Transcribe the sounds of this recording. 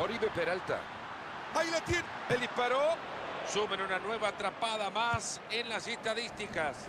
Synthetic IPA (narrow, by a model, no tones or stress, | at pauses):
oɾiβepeɾalt̪a̰ | ajlet̪in | elihpaɾo | sumenunanwe̞βaːt̪ɾapaðamas | enlasest̪aðist̪ikas